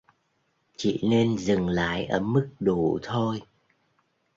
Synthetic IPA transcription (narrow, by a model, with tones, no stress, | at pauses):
t͡ɕḭ˧˨ne˧nzɨ˨˩ŋla̰ː˧˥jʔəː˧˩mɨ˦˥k̚ɗu˨˩t̪ʰo˧j